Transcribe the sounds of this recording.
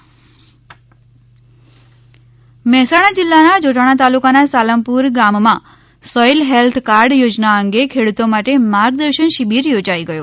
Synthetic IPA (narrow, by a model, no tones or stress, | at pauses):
mɛɦsaɽ̃ad͡ʒɪlːanad͡ʒoʈʰaɽ̃at̪alukanasaləmpuɾɡammã | sɔilɦelt̪ʰkaɾɖjod͡ʒnaəŋɡekʰeɽut̪omaʈemaɾɡ̚d̪əɾʃənʃibiɾjod͡ʒaiɡəjo